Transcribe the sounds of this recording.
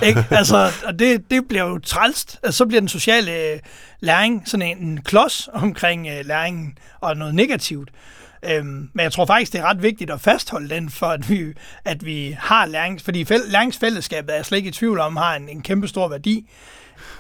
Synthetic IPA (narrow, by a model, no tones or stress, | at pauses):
eɡ̥ælsɒɒ̽de̝d̥e̝b̥liɐjo̝t͡sʰʁɑlsd̥ælsəsɒ̽b̥liɐdenso̝ɕɛ̰ːlə | læɐeŋsɒ̽nenenkʰlɒ̽sɒ̽mkʰʁeŋ̰ølæɐeŋn̩ | ɒ̽nɔ̽ːð̩ˠne̝ɡ̥æt͡sʰiʊd̥ | ømmenjat͡sʰʁo̝ɐfɑ̈ɡ̥isɡ̥d̥e̝æɐʁɑ̈d̥ʋe̝ɡ̥̚d̥id̥ɒ̽fæsd̥hɒ̽ləd̥enfɒ̽æd̥ʋiæd̥ʋihɑ̈læɐeŋfɒ̽d̥ḭːfelæɐe̝ŋsfel̰əsɡ̥ɛ̰ːb̥ð̩ˠæɐsled̥eɡ̥it͡sʰʋiʊl̩ɒ̽mhɑ̈enenkʰemb̥əsd̥o̝ɐ̰ʋæɐd̥ḭː